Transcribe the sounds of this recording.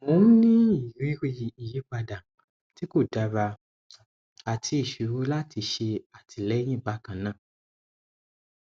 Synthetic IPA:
mo˨˧˦nĩ˦i˨ɾĩ˨˦ɾi˧ji˨i˨ji˨˦k͡pa˧da˨ | ti˦ko˦˨da˨˧ɾa˧ | a˨tʰi˧˦i˦˨ʃu˨˦ɾo˦la˦tʰi˧ʃe˧a˨tʰi˧lɛ˦j̃ĩ˦˨ɡ͡ba˨˦kã˨˦nãː˦˨

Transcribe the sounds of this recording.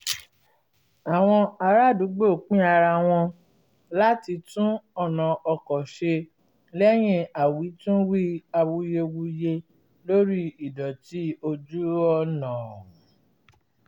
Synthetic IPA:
a˨w̃ɔ̃˧a˧ɾa˦˨du˨˦ɡ͡bo˦˨k͡pĩ˦a˧ɾa˧w̃ɔ̃˧ | la˦ti˧tũ˦ɔ˦˨nã˨ɔ˧kɔ˨ʃe˧ | lɛ˦j̃ĩ˧a˨wi˨˦tũ˦wi˦a˧wu˧je˧wu˧je˧ | lo˦ɾi˦i˨dɔ˨ti˨˦o˧d͡ʒu˦ɔ˧nãː˨

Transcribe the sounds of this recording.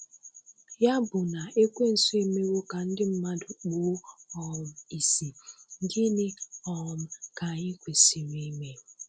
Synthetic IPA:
ja˦bʊ˨na˨e˦kʷe˦n̩˨su˦e˦me˦wo˦ka˨n̩˦dɪ˦m̩˦ma˦dʊ˨k͡po˦ɔ˨m̩˨i˨si˨n̩˦dɪ˦ne˦ɔ˨ɔ˨m̩˨ka˨ɲɪ˦kʷe˨si˨mi˦me˦

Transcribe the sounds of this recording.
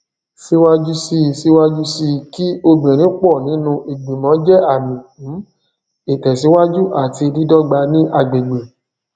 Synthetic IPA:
si˦wa˦d͡ʒu˦si˧˨si˦wa˦d͡ʒu˦si˧ki˦o˧ɡ͡bẽ˨ɾ̃ĩ˨˦k͡pɔ˦˨nĩ˨˦nũ˧ʔi˨ɡ͡bi˨mɔ̃˨˦d͡ʒɛ˦a˦˨mĩ˨˦ | e˨tɛ˨s̬i˨˦wa˦d͡ʒu˦ʔa˦˨ti˧li˦dɔ˦ɡ͡ba˧nĩ˦ʔa˧˨ɡ͡be˨ɡ͡be˨

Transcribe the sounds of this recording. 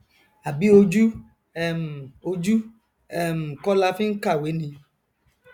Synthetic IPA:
a˨bi˦o˧d͡ʒu˦ | ɛ˨m˨o˧d͡ʒu˦ | ɛ˨m̩˨kɔ˦la˧fi˦ŋ̩˦ka˦˨we˨˦nĩ˧

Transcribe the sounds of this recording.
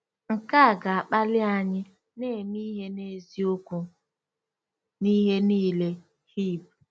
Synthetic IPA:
ŋ̩˨ka˦˨ɡa˨a˨k͡pa˦lɪ˦a˨ɲɪ˦ | ne˦˨mi˦ɦe˦ne˦˨zi˦o˦ku˦ | ni˦ɦe˦niː˦le˦ | hi˦˨p̚

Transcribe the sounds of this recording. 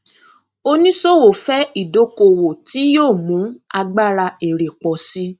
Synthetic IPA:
o˧nĩ˦so˦wo˨fɛ˦i˦˨do˨˦ko˧˨wo˨ti˨˦joː˦˨mũ˨˦a˧ɡ͡ba˦˨ɾa˧e˨ɾe˨k͡pɔ˨si˦

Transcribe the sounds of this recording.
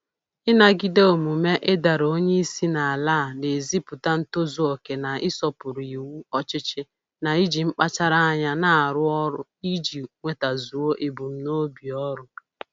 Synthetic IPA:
ɪ˦na˦ɡi˦de˦o˨mu˨me˦ʔe˦da˨ɾo˦ɲe˦i˦si˦na˨a˨laː˦˨ne˨zi˦pʊ˨ta˦n̩˦to˦zu˨o˨ke˨na˨ɪ˦sɔ˦pʊ˨ɾi˨wu˦ɔ˦t͡ʃɪ˦t͡ʃɪ˦ | na˨i˦d͡ʒi˨ŋ͡m̩˦k͡pa˦t͡ʃa˦ɾa˦a˦ɲa˦na˨a˨ɾʊ˦ɔ˦ɾʊ˦i˦d͡ʒi˨ŋʷe˨ta˨zu˨o˦ʔe˨bu˨m̩˨˦no˦bi˨ɔ˦ɾʊ˦

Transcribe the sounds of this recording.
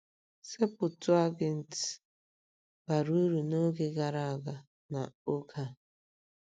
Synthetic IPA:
se˦pʊ˨tʊ˦a˦ɡɪ˨n̩˨ti̥˨ | ba˨ɾu˦ɾu˨no˦ɡe˦ɡa˨ɾa˦˨a˨ɡa˨ | na˨o˦kʰa˦˨

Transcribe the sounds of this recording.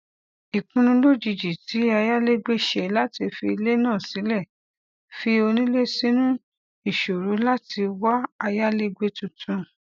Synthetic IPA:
i˨kũ˧nũ˧lo˦˨d͡ʒi˨d͡ʒi˨ti˨˦a˧ja˦le˦ɡ͡be˦ʃe˨la˦ti˧fi˧i˧le˦nã˦˨si˨˦lɛ˦˨ | fi˧o˧nĩ˦le˦sĩ˦nũ˦ | i˦˨ʃo˨ɾu˨˦la˦ti˧wa˦a˧ja˦le˦ɡ͡be˧tũ˧tʰũ˧

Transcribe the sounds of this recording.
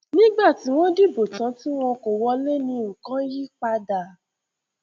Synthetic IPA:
nĩ˦ɡ͡ba˦˨ti˨˦w̃ɔ̃˦di˦bo˨tã˨˦ti˦w̃ɔ̃˧ko˨wɔ˧le˦nĩ˧u˨kã˦ji˦k͡pa˦da˧˨

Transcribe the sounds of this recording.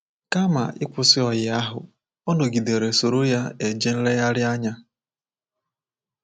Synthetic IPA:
ka˦ma̰˨ʔɪ˦kʷʊ˨sɪ˦ɔ˨jɪ˨a˦ɦʊ̰˨ | ɔ˦no˨ɡi˨de˨ɾe˨so˨ɾo˦ja˦e˨d͡ʒe˦n̩˦le˦ja˦ɾɪ˦a˦ɲa˦

